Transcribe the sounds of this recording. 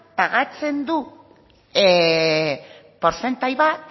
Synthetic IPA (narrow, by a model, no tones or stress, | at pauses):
paɣat͡se̞nd̪u | poɾse̞nt̪ajβat̪